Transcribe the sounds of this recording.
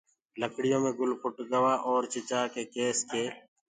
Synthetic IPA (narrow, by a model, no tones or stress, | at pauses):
ləkɽɪjõːmẽːɡʊlpʰʊʈɡəʋaːʔɔːɾt͡ʃɪt͡ʃaːkeːkeːskeː